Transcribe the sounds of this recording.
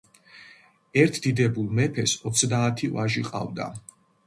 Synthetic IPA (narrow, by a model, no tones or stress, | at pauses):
ɛɾt̪ʰd̪̥id̪ɛbulˠmɛpʰɛsɔt̪sʰd̪aːt̪ʰivaʒiqʼa̰vd̪a̰